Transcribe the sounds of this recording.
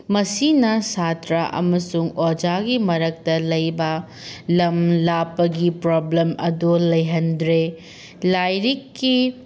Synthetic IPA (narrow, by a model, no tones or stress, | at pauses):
mɐsinɐsatɾaʔɐ̰mɐsuŋod͡ʒaɡimɐɾɐk̚tɐlɐjbɐ | lɐmlapːɐɡipɾoblemɐ̰dolɐjɦɐndɾe | lajɾikːi